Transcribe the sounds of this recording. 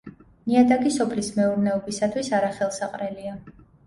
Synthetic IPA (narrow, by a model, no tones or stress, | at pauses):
niad̪aɡisɔpʰlismɛuɾnɛɔbisat̪ʰwisaɾaχɛlˠsaqʼɾɛlia